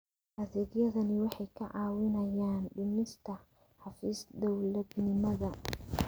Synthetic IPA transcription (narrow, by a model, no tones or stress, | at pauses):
ʔɐðɛːɣjɐðɐnɪwɑħɑjkʰɐʕɑːwɪnɐjaːnɖʊnɪst̪ʰɐ | ħɑfiːsd̪ɔwlɐd̪nɪmɐðɐ